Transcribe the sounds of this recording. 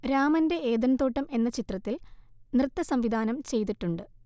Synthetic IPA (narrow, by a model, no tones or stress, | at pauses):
ɾaːmɐnde̞eːd̪ɐnt̪oːʈːɐme̞nːɐt͡ɕit̪rɐt̪ːilnrɨt̪ːɐsɐmʋid̪ʱaːnɐmt͡ɕe̞jt̪iʈːuɳɖɨ